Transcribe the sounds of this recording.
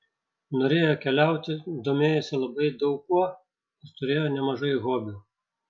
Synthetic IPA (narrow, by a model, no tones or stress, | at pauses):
noːɾʲeːjokʲɛlʲæˑʊt̪ʲɪd̪oːmʲeːjɛsʲɪlˠɐbɐɪd̪ɐʊkːuɔ | ɪɾt̪ʊɾʲeːjoːnʲɛmɐʒɐɪɣoːbʲu